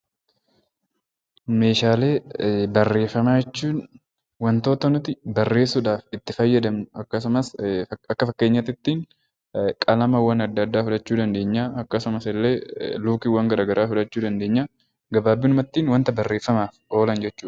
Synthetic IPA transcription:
me̞ːʃaːle̞ːbɐrːe̞ːfɐmaːd͡ʒɛt͡ʃːuːn | wɐnt̪o̞ːt̪ɐnʊt̪ɪbɐrːe̞ːsʊᶑaːfɪt̪ːɪfɐjːɐd̪ɐmnʊɐkːɐsʊmɐsɐkːɐfɐkːeːɲːɐt̪ɪt̪ːiːŋ | kʼɐlɐmɐwːɐnɐd̪ːɐd̪ːaːfʊᶑɐt͡ʃːuːd̪ɐnd̪e̞ːɲːaːɐkːɐsʊmɐsɪlːeːluːkɪwɐŋɡɐɾaːɡɐɾʔaːfʊᶑɐt͡ʃːuːd̪ɐnd̪e̞ːɲːaː | ɡɐbaːbːɪnʊmɐt̪ːiːnwɐnt̪ɐbɐrːe̞ːfɐmaːfo̞ːlɐnd͡ʒɛt͡ʃːuːᶑɐ

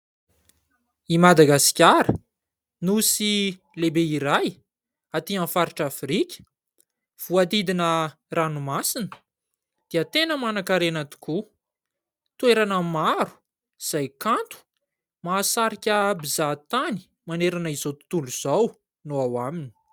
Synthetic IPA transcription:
imad̪aɡasi̥kʲaɾə | nusi | lebeiɾaj | at̪iãfaɾiʈ͡ʂafɾikʲə̥ | v̥uat̪id̪inə | ranumasinə | d̪̥eat̪enəmanakaɾenat̪u̥ku | t̪ueɾanəmaɾu̥ | z̥ajkant̪u̥ | maːsaɾikʲəbizat̪ani̥ | maneɾanəizot̪u̥t̪uluz̥aw | noawamini̥

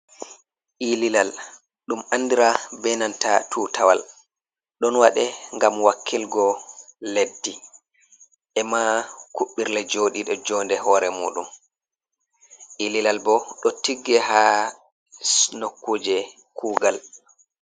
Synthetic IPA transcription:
ʔililal | ɗumanːdiɾabɛnantatʰuːtʰawa̰l | ɗɔnwaɗɛŋɡamwakʰːilɡɔledːi | ʔɛmakuɓːiɾlɛd͡ʒoːɗiɗɔd͡ʒɔːndɛhɔːɾɛmuːɗum | ʔililalbɔɗɔtiɡːɛɦaː | snokːud͡ʒɛ | kʰuːɡal

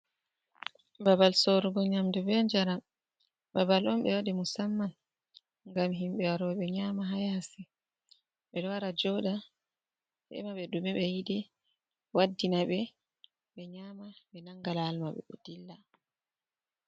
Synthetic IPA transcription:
babalsoɾuɡɔɲamdubɛnd͡ʒaɾa | babalɔmɓɛwaɗimusamːan | ŋɡamɦimɓɛwaɾɔɓɛɲaːmaɦajaasi | ɓɛɗɔwaɾad͡ʒɔɗa | hɛ̰maɓɛɗumɛɓɛjidɛ | wadːinaɓɛ | ɓɛɲamaɓɛnaŋɡalaːlmaɓɛ̰ʔṵd̥ilːa

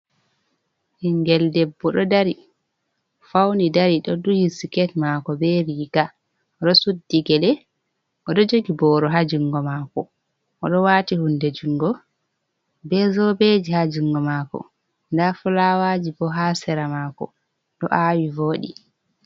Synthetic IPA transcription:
hiŋɡɛldɛbːɔɗɔdaɾi | fawnidaɾiɗɔdujisikɛtmakɔbɛɾiɡa | ɗɔsudːiɡɛlɛ | ʔɔɗɔd͡ʒoɡibɔːɾɔɦad͡ʒuŋɡɔmaːkɔ | ʔɔɗɔwatihundɛd͡ʒuŋɡɔ | bɛzɔbed͡ʒihad͡ʒuŋɡɔmakɔ̰ | ndafɔlawad͡ʒibɔɦasɛɾamakɔ̰ | ɗɔʔawivoːɗḭ

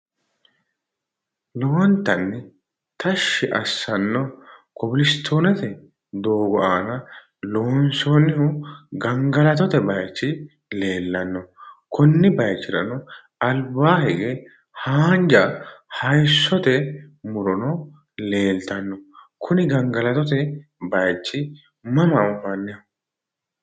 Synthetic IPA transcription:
loɔnt̪ːɐnːɪ | t̪ɐʃːɪʔɐsːɐnːɔkɔbɪlɪst̪ʰːoːnɐt̪ɛ | d̪oːɡɔʔaːnɐ | loːnsoːnɪhʊɡɐŋɡɐlɐt̪̬ɔt̪ɛbɐjt͡ʃːɪ | le̞ːlːɐnːɔkʰʊnːɪbɐjt͡ʃːɪɾɐ̰nɔ | ɐlbaːhɛɡeː | haːnd͡ʒɐhɐjsːɔt̪ɛmʊɾɔnɔ | le̞ːlt̪ɐnːɔkʰʊnɪɡɐŋɡɐlɐt̪ɔt̪ɛbɐjt͡ʃːɪ | mɐmɐʊfɐnːɛ

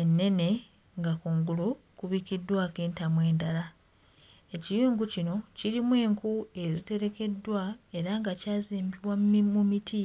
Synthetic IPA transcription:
enːe̞ne̞ | ŋɡakuːŋɡulukuβiːkidːwaːke̞ːntamwe̞ːndala | e̞cijuːŋɡucino̞ciɾimwe̞ːŋkue̞zite̞ɾe̞ke̞dːwae̞ɾaŋɡacaːziːmbiβwamimumitʰi

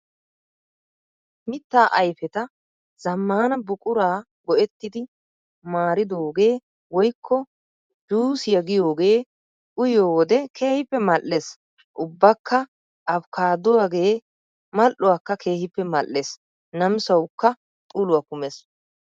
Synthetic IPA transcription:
mɪt̪ːaːʔɐjfɛt̪ɐ | z̥ɐmːaːnɐbʊkʼʊɾaː | ɡɔʔɛt̪ːɪd̪ɪ | maːɾɪd̪oːɡe̞ː | wɔjkʰːɔ | d͡ʒuːsɪjɐɡɪjo̞ːɡe̞ː | ʊjoːwɔd̪ɛkʰe̞ːhɪpːɛmɐlːes | ʔʊbːɐkʰːɐ | ʔɐbkʰaːd̪ʊwaɡe̞ː | mɐʔʊwakːɐkʰe̞ːhɪpːɛmɐʔːes | nɐmsɐwkːɐ | t̪ʼuːlʊwakʊmes

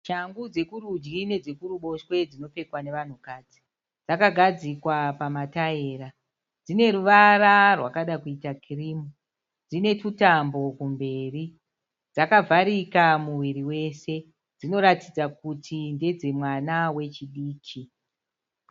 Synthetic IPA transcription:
ʃaŋɡud͡ze̞kuɾud͡ʒɡine̞d͡zekuɾuɓo̞ʃwe̞d͡zino̞pe̞kwane̞ʋan̤ukaːd͡zi̥ | d͡zakaɡʱad͡zikwapamataeːɾa | d͡zine̞ɾuʋararwakaɗakuitakiriːmu | d͡zine̞tutambo̞kumbe̞ri | d͡zakavʱaɾikamuʋiɾiwe̞se̞ | d͡zino̞ɾatid͡zak̚utʰinde̞d͡ze̞mwanawe̞t͡ʃiɗiːkʰi

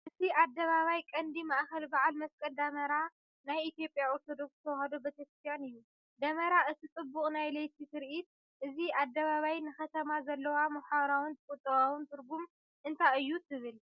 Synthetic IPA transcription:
ʔɨt̪ʰiʔad̪ːɐβaβajkʼɐnd̪imaʔxɐlbaʕalmɐskʼɐld̪ɐmɐɾa | najit̪jo̞pʼjaoɾt̪ʰo̞d̪o̞ksɨt̪ʰɐwhɐd̪obɐt̪ʰekst̪janɨjːu | d̪ɐmɐɾaʔɨt̪ʰit͡sʼɨbːuχʼnajlejt̪ʰitɨɾʔit̪̚ | ʔɨziʔad̪ːɐβaβajnɨxɐt̪ʰɐmazɐlːɐwamɐħaɾawɨnt̪ʰɨkʼut̪ʼːɐβawɨnt̪ʰɨɾɡum | ʔɨnt̪ʰaɨjːut̪ʰɨβɨl

